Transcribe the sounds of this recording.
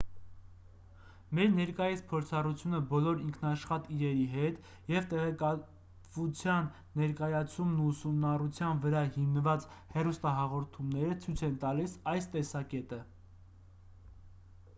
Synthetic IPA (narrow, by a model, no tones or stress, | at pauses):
mɛɾnɛɾkɑjispʰɔɾt͡sʰɑrut͡sʰjunəbɔlɔɾiŋkʰnɑʃχɑt̪iɾɛɾiɦɛt̪ | jɛvt̪ɛʁɛkɑ | vut͡sʰjɑnː | ɛɾkɑjɑt͡sʰumnuːsumnɑrut͡sʰjɑnvəɾɑhimnəvɑt͡shɛrust̪ɑɦɑʁɔɾt̪ʰumnɛɾət͡sʰujt͡sʰɛnt̪ɑlisɑjst̪ɛsɑkɛt̪ə